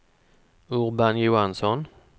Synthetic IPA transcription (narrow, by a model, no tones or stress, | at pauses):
ʊʁbanjʊansɔn